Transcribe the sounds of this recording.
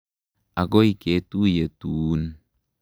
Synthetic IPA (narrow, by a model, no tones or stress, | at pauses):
aɡoiket̪ujet̪un